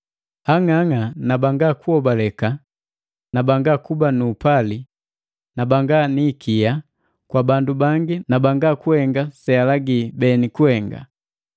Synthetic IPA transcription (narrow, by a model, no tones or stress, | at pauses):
aŋaŋanabaŋɡakuɔbalɛka | nabaŋɡakubanuːpali | nabaŋɡaniːkʰija | kwabandubaŋɡinabaŋɡakuhɛŋɡasɛalaɡiːbɛnikuhɛŋɡa̰